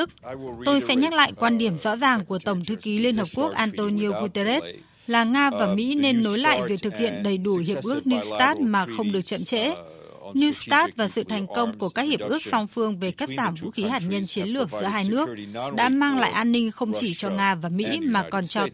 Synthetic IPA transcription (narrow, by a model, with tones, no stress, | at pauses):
k̚t̪o˧jsɛ̰˧˥ɲa˦˥t̚la̰ː˧˨jkwaː˧nɗi˧˩əmzɔ̰˧˥zaː˨˩ŋku˧˩ət̪ə˧˩wŋ͡mt̪ʰɨ˨˦ki˨˦li˧ənhəː˨˩p̚ku˦˥ək̚ʔaː˧nt̪o˧ni˧o˧ku˧t̪e˧ɾe˦˥t̚ | laː˨˩ŋaː˧vaː˨˩mḭ˧˥ne˧nːo˨˦jla̰ː˧˨jvi˨˩ə˩k̚t̪ɨ˨˩k̚hḭ˧˨ənɗə˨˩jɗu˧˩hi˨˩əp̚ʔɨ˦˥ək̚ni˧st̪aː˦˥t̚maː˨˩xə˧wŋ͡mɗɨ˨˩ək̚t͡ɕə̰˧˨mt͡ɕḛ˧˥ | nu˧st̪aː˦˥t̚vaː˨˩sɨ̰˧˨t̪ʰa˨˩jŋ̟kə˧wŋ͡mku˧˩əkaː˦˥k̚hi˨˩əp̚ʔɨ˦˥ək̚sa˧wŋ͡mfɨ˧əŋve˨˩ka˦˥t̚zaː˧˩mvṵ˧˥xi˨˦ɦaː˨˩t̚ɲə˧nt͡ɕi˨˦ənlɨ˧˨˩ək̚zɨ̰˧˥əɦaː˧jnɨ˦˥ək̚ɗa̰ː˧˥maː˧ŋla̰ː˧˨jʔaː˧nːï˧ŋ̟xə˧wŋ͡mt͡ɕi˧˩t͡ɕɔ˧ŋaː˧vaː˨˩mḭ˧˥maː˨˩kɔ˨˩nt͡ɕɔ˧